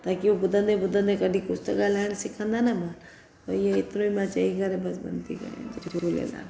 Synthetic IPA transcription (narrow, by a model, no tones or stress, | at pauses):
t̪akiobʊd̪ə̃nd̪ebʊd̪ə̃nd̪ekəɖʱikʊst̪əkalansɪkʰə̃nd̪anama | t̪ojeɪt̪nõimãt͡ʃaiɡaɾebɐsbə̰nt̪ikã̰d͡ʒulḛla̰